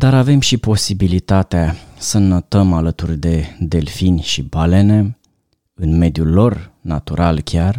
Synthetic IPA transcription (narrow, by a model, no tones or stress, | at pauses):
d̪aɾave̞mʃipo̞sibilit̪at̪easənot̪əmalət̪urʲd̪e̞d̪e̞lfinʲʃibale̞ne̞ | ɨnme̞d̪julːo̞rnat̪uɾalkʲar